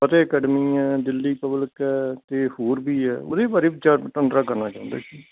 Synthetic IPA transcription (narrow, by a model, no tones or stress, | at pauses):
pət̪eːəkɛːɖmiːɛːd̪ɪlːiːpəbləkɛːt̪eːhoːɾbʱiːɛːo̰ːd̪eːbaːɾeːbt͡ʃaːʈəɳɖɾaːkəɾnaːt͡ʃãːnd̪a̰ːsiː